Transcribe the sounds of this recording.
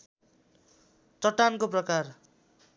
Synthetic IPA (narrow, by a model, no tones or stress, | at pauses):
t̪ʌʈankoprʌkar